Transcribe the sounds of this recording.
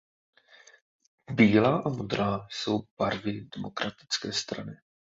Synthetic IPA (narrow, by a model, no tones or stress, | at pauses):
biːlaːʔamod̪ɾaːso̞wb̥aɾvɪdɛmo̞kɾʔat̪ɪ̥t͡skɛːst̪ɾanɪ